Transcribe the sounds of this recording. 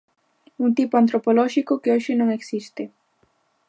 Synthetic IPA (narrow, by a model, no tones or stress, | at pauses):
unt̪ipoãnt̪ɾopoloʃikokeoʃɪnõŋeksist̪e